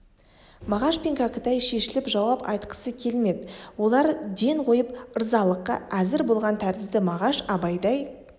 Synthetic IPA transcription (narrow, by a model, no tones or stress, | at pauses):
mɑʁɑʃpʲeŋkʲakət̪ɑjʃe̞ʃɪlɪpʒɑwɑpɑ̰jt̪qə̥səkʲʰe̞lme̞d̪ɪwo̞lˠɑɾd̪e̞ɴqʰo̞jəpəɾzɑlˠəqːɑ̰ʔæzɪɾbo̞lˠʁɑnt̪ʰæɾt̪ɪzd̪ɪmɑʁɑʃɑbɑjd̪ɑj